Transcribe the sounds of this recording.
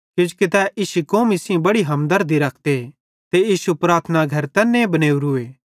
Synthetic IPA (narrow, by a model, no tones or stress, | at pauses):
kɪd͡ʒkɪt̪ɛʔiʃikõːmisiĩbɐɽiɦɐmd̪ɐɾd̪iɾɐkʰd̪e | t̪ejiːʃupɾaːt̪ʰnaɡʱɐɾt̪ɛːnːẽbɐneːuɾʊeː